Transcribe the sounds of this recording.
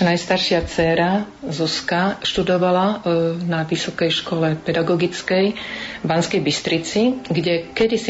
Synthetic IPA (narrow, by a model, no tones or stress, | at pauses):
najst̪aɾʃɪat͡sɛːɾazuskaʃt̪ud̪ɔʋalanaʋisɔkɛjʃkɔlɛpɛd̪aɡɔɡit͡skɛjbanskɛjbist̪ɾit͡siɡɟɛkɛd̪isi